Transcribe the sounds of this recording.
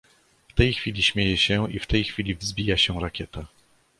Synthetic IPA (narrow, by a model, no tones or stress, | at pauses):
ft̪ɛjxfʲilʲiɕmʲjejɛɕɛift̪ɛjxfʲilʲivzbʲijaɕɛɾakʲʰɛt̪a